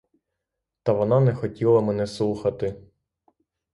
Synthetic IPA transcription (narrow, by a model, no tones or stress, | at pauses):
t̪ɐʋɔnɑnɛxɔtʲilˠɐmɛnɛslˠuxɐt̪ɪ